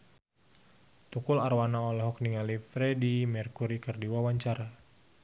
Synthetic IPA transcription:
t̪ukularwanaɔlɔɦɔkniŋalifɾɛdimɛrkuɾikərdiwawaɲt͡ʃaɾa

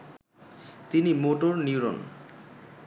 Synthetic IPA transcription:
t̪inimoʈoɾniwɾon

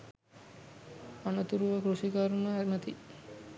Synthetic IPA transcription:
anət̪uɾuʋəkɾuʂikaɾunəɦæɾimət̪i

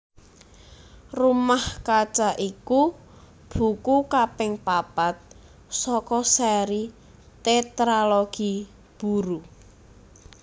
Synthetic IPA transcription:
rumahkat͡ʃaʔiku | b̥ṳkukapɪŋpapat̪̚ | sɔkɔsɛɾi | t̪et̪ɾaloɡ̥i | b̥uɾu

